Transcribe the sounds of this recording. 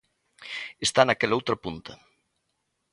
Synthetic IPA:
est̪anakelowt̪ɾopunt̪o̥

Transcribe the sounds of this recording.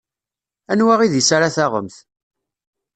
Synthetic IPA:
ænwaʁiðisaɾaθaʁə̰mθ

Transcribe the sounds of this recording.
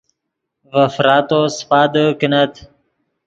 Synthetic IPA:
vɐfɾaːt̪ospaːd̪əkinɐt̪

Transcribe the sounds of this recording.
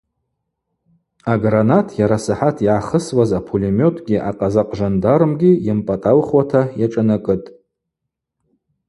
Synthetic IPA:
aɡranatʰjaɾasaħatʰjiʕaχəswazapʰolimo̞tʰɡʲiʔaqʼazaqʼʐandaɾɨmɡʲijɪmpʼatʼalχwatʰajaʈ͡ʂʼanakʼɨtʼ

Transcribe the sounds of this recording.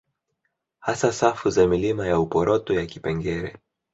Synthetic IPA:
hasasafuzamilimajaupɔɾʔɔtɔjakipɛŋɡɛɾɛ̰

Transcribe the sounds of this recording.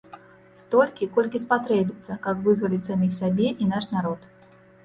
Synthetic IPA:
st̪ɔlʲkʲikɔlʲkʲispat̪ɾɛbʲit̪sɐkɐpvɨzvɐlʲit͡sʲsamʲixsabʲɛʔinaʂnaɾɔt̪

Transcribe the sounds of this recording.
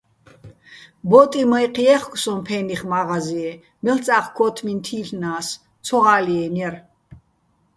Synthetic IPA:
bɔt̪ʼimɔiqʰiɛχkʼsɔmpʰɛniχmaʁaziɛ | mɛlt͡sʼaχkʰɔt̪ʰmint̪ʰiːɬnaːs | t͡sʰɔʁaliɛnɛr

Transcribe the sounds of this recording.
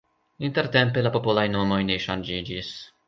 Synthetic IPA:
int̪eɾt̪empelapo̞polajno̞mo̞jneʃanʲd͡ʒid͡ʒis

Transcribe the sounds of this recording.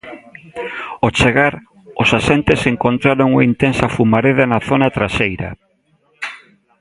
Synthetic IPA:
ot͡ʃeɣaɾ | osasent̪eseŋkont̪ɾaɾoŋuaint̪ensɐfumaɾeðanaθonat̪ɾasejɾɐ̰

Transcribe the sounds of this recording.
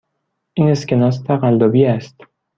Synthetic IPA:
ʔine̞scʲenɒːs̬t̪ʰæʁæld̪ɒbiæst̪

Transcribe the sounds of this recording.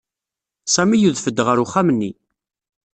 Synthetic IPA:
sæmijuðfəd̪ːʁəɾuχæmənːi

